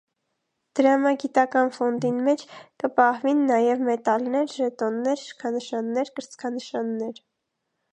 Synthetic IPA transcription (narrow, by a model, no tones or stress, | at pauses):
d̪̥əɾɑmɑɡit̪ɑkɑnfɔnd̪inmɛt͡ʃʰkəpɑhvinːɑjɛvmɛt̪ɑlnɛɾʒɛt̪ɔnːɛɾʃkʰɑnəʃɑnːɛɾkəɾt͡skʰɑnəʃɑnːɛɾ